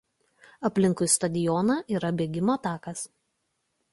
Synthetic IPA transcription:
ɐpʲlʲɪŋˑkʊjst̪ɐd̪ʲɪjɔnɐʔiːɾɐbʲeːɡʲɪmoːt̪ɑːkɐs

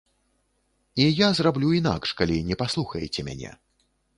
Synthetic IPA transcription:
ijazrablʲuina̰kʂkalʲinʲɛpaslˠuxɐjɛt͡sʲɛmʲa̰nʲɛ̰

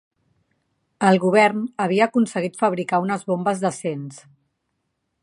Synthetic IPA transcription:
əlˠɣuβ̞ɛrnəβ̞iəːkunsəɣ̞it̪fəβ̞ɾikaunəzβombəzðəsens

